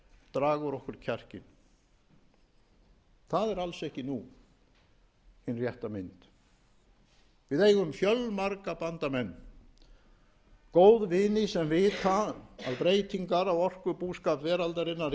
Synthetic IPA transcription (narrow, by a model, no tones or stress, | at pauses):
t̪ɾaːɣʏɾɔhkʏɾ̥cʰɛr̥cɪn | θaðɛɾalsɛhcɪnu | hɪnrjɛht̪amɪnt̪ | vɪðeːjɣʏmfjœlmaɾkapant̪amɛnː | koːwðvɪːnɪsɛmvɪːt̪aa̰ðpɾeːjt̪iŋkaɾawɔr̥kʏpuːskapvɛːɾalt̪aɾɪnːaɾ